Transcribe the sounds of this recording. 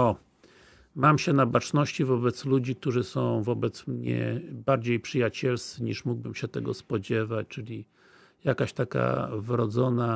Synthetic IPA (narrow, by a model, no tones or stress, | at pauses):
ɔ | mamɕɛnabat͡ʂnɔɕt͡ɕivɔbɛt̪slud͡ʑik̚t̪uʐɘsɔ̃w̃vɔbɛt̪smɲɛ̰baɾd͡ʑejpʂɘjat͡ɕɛlst̪sɘɲḭʂmuɡ̚bɘmɕɛt̪ɛɡɔspɔd͡ʑɛvat͡ɕt͡ʂɘlʲi | jakaɕt̪aka̰vɾɔd̪zɔna